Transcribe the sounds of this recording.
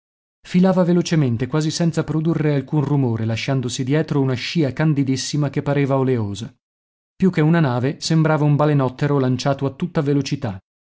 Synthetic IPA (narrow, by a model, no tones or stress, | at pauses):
filaːvavelot͡ʃement̪ekwaːzisɛnt̪sapɾod̪urːealkunrumoːɾelaʃːand̪osid̪jɛːt̪ɾounaʃiːakand̪id̪isːimakepːaɾeːvaoleoːza | pjukːeunanaːvesembɾaːvaumbalenɔt̪ːeɾolant͡ʃaːt̪oat̪ːut̪ːavelot͡ʃit̪a